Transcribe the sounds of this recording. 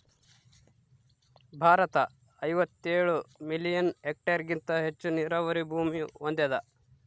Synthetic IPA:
bʱaːɾɐt̪ɐ | ɐjʋɐt̪ːeːɭumilijɐnek̚ʈɐɾɡint̪ɐɦet͡ʃːuniɾɐʋɐɾibʱuːmijuond̪ed̪ɐ

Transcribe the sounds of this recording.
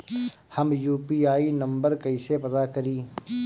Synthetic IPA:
hɐmjuːpiːaːinɐ̃mbəɾkɐisepɐd̪akɐɾiː

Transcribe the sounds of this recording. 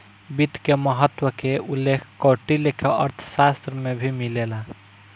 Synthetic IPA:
bit̪keməɦət̪ːwəkeulːekʰkoʈilekʰeəɾt̪ʰə̥sast̪ɾəmebʱimilela

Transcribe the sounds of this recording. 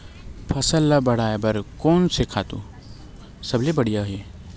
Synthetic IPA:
pʰɐsəlːabɐɽ̤aːebɐɾkoːnsekʰaːt̪ṵ | sɐblebɐɽ̤ijaɦe

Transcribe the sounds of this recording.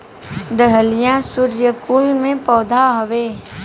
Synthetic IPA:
ɖ̪əɦəlijãsʊɾjəkulmẽpɔːd̪ʱaɦoʋeː

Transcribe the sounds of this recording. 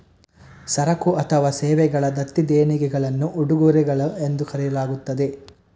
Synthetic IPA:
sɐɾɐkuʔɐt̪ʰɐʋaːsɛːʋɛɡɐɭɐd̪ɐt̪ːid̪eːniɡɛɡɐɭɐnːuʔuɽuɡuːɾɛɡɐɭɐend̪ukɐɾɛjɐlaːɡut̪ːɐd̪e̞

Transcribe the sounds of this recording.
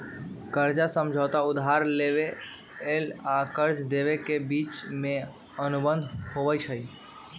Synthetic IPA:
kəɾd͡ʒasəmd͡ʒʱəʊt̪aʊd̪ɦaɾleʋe | elakəɾd͡ʒd̪eʋekebiːt͡ʃmẽ | ənubə̃nd̪ʱhoʋət͡ʃʰəi

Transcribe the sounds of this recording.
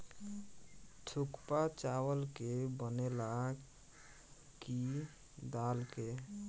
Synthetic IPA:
ʈʰʊkpat͡ʃawəlkebənela | ki | d̪aːlke

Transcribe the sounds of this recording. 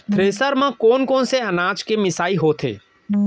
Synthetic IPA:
t̪ʰɾeːsəɾmãkoːnkoːnseɐnaːt͡ʃkemɪsaːiɦoːt̪ʰḛː

